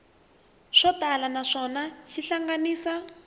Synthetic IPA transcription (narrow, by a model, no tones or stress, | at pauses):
ʂɔtalanaʂɔnaʃiɬaŋɡaniːsa